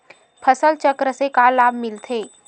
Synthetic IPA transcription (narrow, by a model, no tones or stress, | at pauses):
pʰəsəlt͡ʃəkɾəsekalabmilt̪ʰe